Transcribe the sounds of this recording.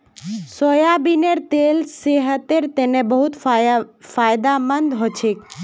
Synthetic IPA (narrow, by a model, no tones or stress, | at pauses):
sojabineɾt̪elseɦət̪eɾt̪enebəɦut̪ | faːjd̪amənd̪ɦot͡ʃʰek